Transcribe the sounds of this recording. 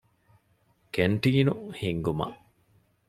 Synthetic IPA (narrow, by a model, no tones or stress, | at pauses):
keɳʈiːnuhiŋɡumɐ̰ʔ